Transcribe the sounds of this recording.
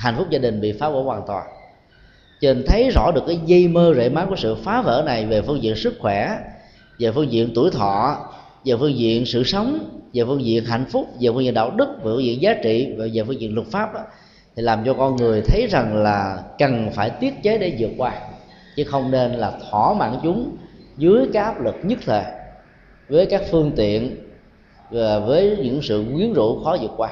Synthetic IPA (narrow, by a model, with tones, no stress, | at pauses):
ha˨jŋ̟fʊ˦˥k͡p̚zaː˧ɗï˨˩ŋ̟ɓḭ˧˨faː˨˦və̰ː˧˥waː˨˩nt̪waː˨˩n | t͡ɕə˧˨˩nt̪ʰə˨˦jzɔ̰˧˥ɗɨ˨˩əkːaː˨˦jɣi˧jməː˧zḛ˧˨maː˨˥ku˧˩sɨ̰˧˨faː˨˦və̰ː˧˥na˨˩jve˨˩fɨ˧əŋzḭ˧˨ənsɨ˦˥k̚xwɛ˧˩ | ve˨˩fɨ˧ŋzḭ˧˨ənt̪u˧˩əjt̪ʰɔ̰˧˨ | ve˨˩fɨ˧əŋzḭ˧˨ənsɨ̰˧˨sə˨˦wŋ͡mve˨˩fɨ˧əŋzḭ˧˨ənɦa̰˧˨jŋ̟fʊ˦˥k͡p̚ve˨˩fŋzḭ˧˨nɗa̰ː˧˩wɗɨ˦˥k̚ve˨˩fɨː˧ŋzḭ˧˨ənzaː˨˦t͡ɕḭ˧˨va˨˩zeː˨˩fɨ˧ŋzḭ˧˨ənlwʊ˨˩t̚faː˦˥p̚ɗɔː˨˦ | t̪ʰi˨˩laː˨˩mt͡ɕɔ˧kɔ˧nŋɨ˨˩əjt̪ʰə˨˦jza˨˩ŋlaː˨˩kə˨˩nfaː˧˩jt̪i˦˥ət̚t͡ɕe˨˦ɗe˧˩zɨ˨˩ək̚kwaː˧ | t͡ɕɨ˨˦xə˧wŋ͡mne˧nlaː˨˩t̪ʰwɔ˧˩ma̰ː˧˨nt͡ɕʊ˨˦ŋ͡mzɨ˨˦əjkaː˦˥k̚ʔaː˦˥p̚lɨ˨˩k̚ɲɨ˦˥t̚t̪ʰe˨˩ | vəː˨˦jkaː˦˥k̚fɨ˧əŋt̪ḭ˧˨ən | vaː˨˩vəː˨˦jɲɨ̰˧˥ŋsɨ̰˧˨ŋwi˨˦ənzṵ˧˥xɔ˨˦zɨ˨˩ək̚kwaː˧